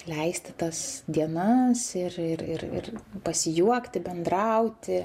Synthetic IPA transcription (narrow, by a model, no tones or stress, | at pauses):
lʲɛɪsʲt̪ʲɪt̪ɐsd̪ʲiɛnɐsɪrɪɾɪrɪ̰rpɐsʲɪjuɔkt̪ʲɪbʲɛnd̪ɾɐʊt̪ʲɪ